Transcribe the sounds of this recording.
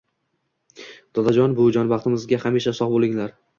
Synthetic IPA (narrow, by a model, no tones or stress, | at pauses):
d̪̥ɒd̪ad͡ʒɒnbʊd͡ʒɒnbɑχt̪ʰɪmɪzɡʲahameʃasɒhbolˠɪŋlaɾ